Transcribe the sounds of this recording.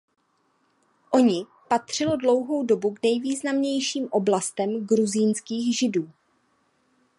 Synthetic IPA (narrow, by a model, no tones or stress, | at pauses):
ʔo̞ɲɪ | pat̪r̝̥ɪlo̞dlo̞wɦo̞wdo̞buɡnɛjviːznamɲɛjʃiːmʔo̞blast̪ɛmɡɾuzinskiːɣʒɪduː